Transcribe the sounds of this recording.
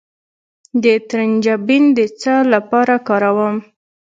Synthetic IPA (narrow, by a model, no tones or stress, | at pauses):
d̪ət̪ɾənd͡ʒabind̪ət͡səlapɑɾakɑɾawəm